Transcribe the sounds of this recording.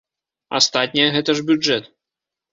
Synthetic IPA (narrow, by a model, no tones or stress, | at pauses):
a̰st̪at̪ʲnʲɐjɐɣɛt̪ɐʐbʲuɛt̪